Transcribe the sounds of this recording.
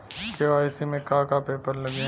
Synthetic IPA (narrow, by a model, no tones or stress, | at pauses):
keʋaːɪsemẽkaːkapeːpəɾlɐɡẽ